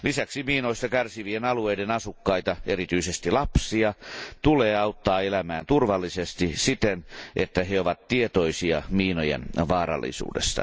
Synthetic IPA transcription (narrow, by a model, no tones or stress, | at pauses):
lisæksimiːnoist̪ɑkærsiʋienɑlueidenɑsukːɑit̪ɑeɾit̪yisest̪ilɑpsiɑt̪uleːɑut̪ːɑːelæmæːnt̪urʋɑlːisest̪isit̪enʔet̪ːæheoʋɑt̪tiet̪oisiɑ̰miːnojḛnʋɑːɾɑ̰lːḭsṵːdḛst̪ɑ̰